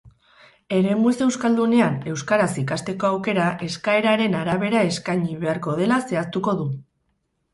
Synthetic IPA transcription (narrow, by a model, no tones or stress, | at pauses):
e̞ɾe̞muse̞wskald̪une̞ane̞wskaɾasikast̪e̞ko̞awke̞ɾaʔe̞skae̞ɾaɾe̞naɾaβ̞e̞ɾae̞skajɲiβe̞aɾko̞ð̞e̞lase̞ast̪uko̞ðu